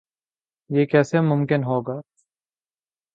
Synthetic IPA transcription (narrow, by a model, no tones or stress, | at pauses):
jeːkɛːsemʊmkɪnɦoːɡaː